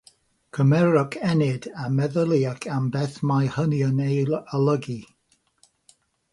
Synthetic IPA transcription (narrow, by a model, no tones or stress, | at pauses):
kʰəmɛɹəkʰɛnɪdamɛðəlˠiakʰambɛθmajhənjənejlələɡi